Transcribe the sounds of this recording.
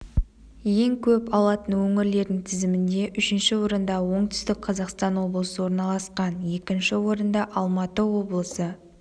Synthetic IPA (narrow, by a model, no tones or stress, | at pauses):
je̞ŋkʲʰɵpɑlˠɑt̪ənwɵŋɪɾle̞ɾd̪ɪŋt̪ʰɪzɪmɪnd̪e̞ʔʏʃɪnʃɪwo̞ɾənd̪ɑwo̞ɴt̪ʰʏ̥st̪ɪk̚qʰɑzɑqst̪ɑnwo̞blˠəsəwo̞ɾnɑlˠɑsqɑnje̞kʲɪnʃɪwo̞ɾənd̪ɑʔɑlˠmɑt̪əwo̞blˠəsə